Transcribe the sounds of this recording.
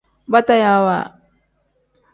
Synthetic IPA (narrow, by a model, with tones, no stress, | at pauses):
ba˦ta˦ja˨wa̰˨